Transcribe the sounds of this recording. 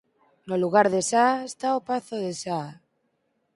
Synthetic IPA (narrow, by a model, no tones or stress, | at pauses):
noluɣ̞aɾðesaest̪aopaθoðesa